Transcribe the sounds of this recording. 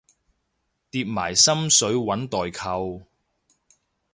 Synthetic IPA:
t̪iː˧p̚maː˨˩jsɐ˥msɵ˨˥ɥwɐ˨˥nt̪ɔː˨jkʰɐ˧w

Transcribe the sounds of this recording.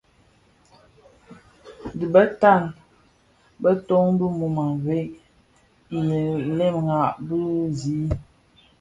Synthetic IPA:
di˨bə˦ta˦˨n | bə˦to˦ŋ˦bu˦mu˨ma˨ve˦ʔ | je˨lɛ˦˨mŋa˨ʔbə˦zi˦

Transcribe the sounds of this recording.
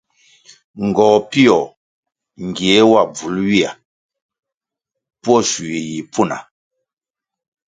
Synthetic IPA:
ŋ˨ɡɔː˨pi˦ɔ˨ | ŋ˨ɡi˨e˨˦wa˦˨b͡vu˨˦lwi˦a˨ | pɔ˦˨su˨i˨ji˨pʰu˦˨na̰˨

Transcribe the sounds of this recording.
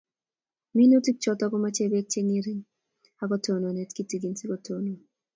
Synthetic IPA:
mi˦no˦ti˦k̚t͡ʃɔ˦tɔ˦kɔ˦ma˦t͡ʃe˦be˦k̚t͡ʃe˦ŋi˦ɾi˦ŋ | ha˦kɔ˦to˨no˨ne˨tki˦ti˨ɡi˨nsi˦kɔ˦tʰo˨no˨

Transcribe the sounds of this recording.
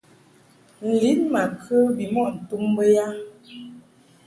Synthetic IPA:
n̩˨li˨˦nma˨kə˦bi˨mɔ˦ʔn̩˨tu˦mbə˦ja˦

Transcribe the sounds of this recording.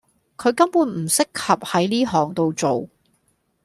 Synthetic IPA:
kʰɵ˨˧ɥkɐ˥mpuː˨˥nm̩˨˩sɪ˥k̚hɐ˨p̚hɐ˨˥jliː˥ɦɔː˨˩ŋt̪o˨˧wt͡so˨w

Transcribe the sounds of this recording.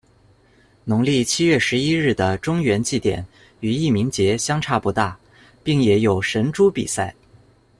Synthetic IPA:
nʊ˧˥ŋli˥˩t͡ɕʰi˥ɥɛ˥˩ʂɻ̩˧˥i˥ɻɻ̩˥˩d̪ə˩ʈ͡ʂʊ˥ŋɥɛ˧˥nt͡ɕi˥˩t̪jɛ̰˨˩˦n | y˨˩i˥˩mi˧˥ŋt͡ɕjɛ˧˥ɕjɑ˥ŋʈ͡ʂʰa˥˧pu˧˥t̪a˥˩ | pi˥˩ŋjɛ˨˩jo˨˩ʊʂə˧˥nʈ͡ʂu˥pḭ˨˩sa˥˩ɪ

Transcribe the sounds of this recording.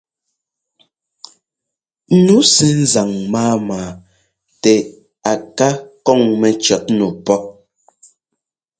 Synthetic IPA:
nu˨˦sɛ˨n̩˦za˨ŋmaː˦maː˨ | tɛ˨ | a˨ka˦kɔ˦˨ŋmɛ˨t͡ʃɔ˨˦t̚nu˨pɔ˦p̚

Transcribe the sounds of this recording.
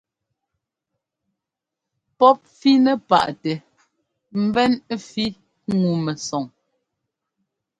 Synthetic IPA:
pɔ˦p̚fi˦nɛ˨pa̰˨ʔtɛ˨ | m̩˦bɛ˦n˦fi˦ | ŋu˨mɛ˨sɔ˨ŋ

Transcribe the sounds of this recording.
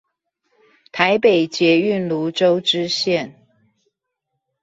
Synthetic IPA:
t̪ʰa˧˥ɪpe˨˩ɪt͡ɕjɛ˧˥y˥˨nlu˧˥ʈ͡ʂo˥ʊʈ͡ʂɻ̩˥ɕjɛ˥˨n

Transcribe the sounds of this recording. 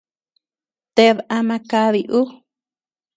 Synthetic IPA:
t̪e˧βʔa˧mã˧ka˧βi˧ʔu˦

